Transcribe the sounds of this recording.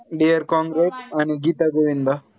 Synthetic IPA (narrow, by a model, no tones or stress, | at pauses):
ɖijɐɾkaːŋɡɾesɐniɡiːt̪ɐɡuɾind̪ɐ